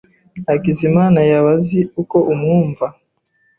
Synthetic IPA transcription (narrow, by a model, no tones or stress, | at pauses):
akizimaːnajaβaziuko̞ʔumŋuːɱva